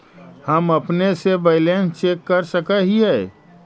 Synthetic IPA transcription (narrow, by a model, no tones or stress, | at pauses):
həmɐpnesebɐɪlẽnt͡ʃeːkːəɾsəkaɦiɦɛː